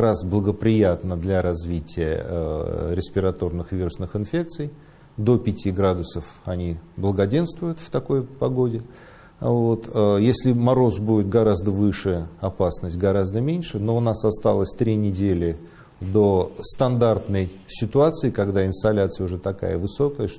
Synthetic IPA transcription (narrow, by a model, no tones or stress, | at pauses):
ɾasblˠəɡəpɾʲɪjat̪nəd̪lʲaɾɐzvʲitʲɪjə̰ | ɾʲɪsʲpʲɪɾɐt̪o̞rnɨxvʲiɾʊsnɨxɨnfʲe̞k̚t̪sɨj | d̪o̞pʲɪtʲiɡɾad̪ʊsəf | ɐnʲiblˠəɡɐdʲe̞nst̪vʊjʊt̪ft̪ɐko̞jpɐɡo̞dʲɪ | vot̪əjesʲlʲɪmɐɾo̞zbudʲɪt̪̚ɡɐɾazd̪əvɨʂɨjəɐpasnəsʲtʲɡɐɾazd̪əmʲenʲʂɨno̞ʊnasɐst̪alˠəsʲt̪ɾʲinʲɪdʲelʲɪ | d̪o̞st̪ɐnd̪art̪nəj | sʲɪt̪ʊat̪sɨɪkɐɡd̪aɪnst̪ɐlʲat̪sɨjəʊʐɛt̪ɐka̰jəvɨso̞kəjəʂ